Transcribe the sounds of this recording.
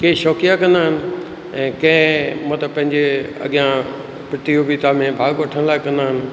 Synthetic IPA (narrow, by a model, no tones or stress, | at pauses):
keːʃɔːkijakɐ̃nd̪aːɦɪnɪ̆ | ɛ̃ːkɐ̃ɪ̃mũt̪əbpɐ̃ɦɪ̃ɲd͡ʑeɐ̰ɠijã | pɪt̪ioːbit̪amẽbʱaːɡʋɐʈʰənlaːɪkɐ̃nd̪aɦɪnɪ̆